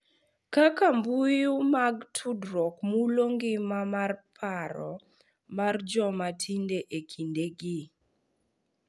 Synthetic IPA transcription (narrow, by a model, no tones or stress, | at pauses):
kakambujumaɡtʰudɾɔkmuloŋɡɪmamarpʰaɾɔ̰ | mard͡ʒɔmatʰindeʔekʰindeɡi